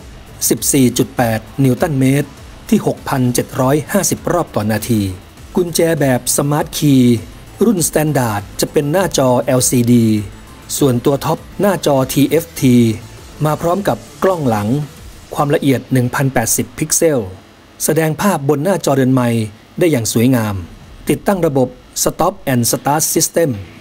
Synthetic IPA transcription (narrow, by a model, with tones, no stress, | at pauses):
si˨˩p̚siː˨˩t͡ɕu˨˩t̪̚pɛː˨˩t̪̚ni˧˥wt̪a˥˩nmeː˦˥t̪̚ʰː | iː˥˩ho˨˩k̚pʰa˧nt͡ɕe˨˩t̪̚ɾɔː˦˥jhaː˥˩si˨˩p̚ɾɔː˥˩p̚t̪ɔː˨˩naː˧t̪ʰiː˧ | kʰu˧nt͡ɕɛː˧bɛː˨˩p̚sa˧maː˦˥t̪̚kʰiː˧ | ɾu˥˩nst̪ɛː˦˥ndaː˨˩t̪̚t͡ɕa˨˩pe˧nːaː˥˩t͡ɕɔː˧ʔɛː˧wsiː˧diː˧ | su˨˩ənt̪u˧ɐt̪ʰɔ˦˥p̚naː˥˩t͡ɕɔː˧t̪ʰiː˧ʔe˦˥ft̪ʰiː˧ | maː˧pʰɾɔː˦˥mka˨˩p̚klɔ˥˩ŋla˩˦ŋkʰwaː˧mla˧ʔi˨˩ət̪̚nɯ˨˩ŋpʰa˧npɛː˨˩t̪̚si˨˩pʰːi˦˥k̚se˥˩w | sa˧dɛː˧ŋpʰaː˥˩p̚bo˧nːaː˥˩t͡ɕɔː˧ɾɯ˧ənma˧j | daː˥˩jːaː˨˩ŋsuː˨˩˦əjŋaː˧mt̪i˨˩t̪ːa˥˩ŋɾa˧bo˨˩p̚ | sa˧t̪ɔ˦˥p̚ʔɛ˧nsa˧t̪aː˦˥ssi˦˥st̪e˥˩m